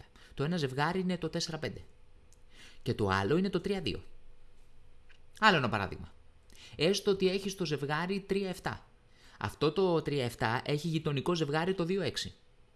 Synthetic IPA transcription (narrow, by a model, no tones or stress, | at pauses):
t̪o̞e̞nɐze̞vɣɐɾiinet̪o̞t̪e̞se̞ɾɐpend̪e̞ | ce̞t̪o̞̰ɐ̰lo̞ine̞t̪o̞t̪ɾiɐðḭo̞̰ | ɐlo̞enɐpɐɾɐ̰ðḭɣmɐ̰ | e̞st̪oot̪ieçist̪o̞ze̞vɣɐɾit̪ɾiɐe̞ft̪ɐ̰ | ɐ̰ft̪o̞t̪o̞t̪ɾiɐe̞ft̪ɐʔe̞çiʝit̪o̞niko̞ze̞vɣɐɾit̪o̞ðio̞e̞ksi